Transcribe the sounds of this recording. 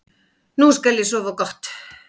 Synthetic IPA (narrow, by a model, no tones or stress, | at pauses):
nuːskelːisuoʋokɑht̪